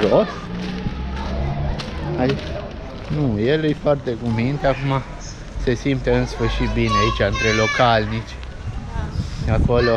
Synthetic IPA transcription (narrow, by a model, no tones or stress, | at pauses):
ʒos | ai | nuje̞lɨjfoart̪e̞ɡumint̪eakuma | se̞simt̪eɨnsfɨrʃit̪̚bineait͡ʃaɨnt̪ɾe̞lo̞kalnit͡ʃʲ | ako̞lo̞